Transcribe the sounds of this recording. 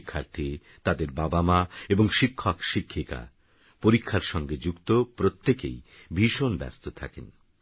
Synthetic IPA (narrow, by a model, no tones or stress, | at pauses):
kʰːaɾt̪ʰi | t̪ad̪eɾbabamaeboŋʃikʰːɔkʃikʰːika̰ | poɾikʰːaɾʃɔŋɡed͡ʑukt̪opɾot̪ːekḛj | bʱiʃonbɛ̰st̪ot̪ʰakḛn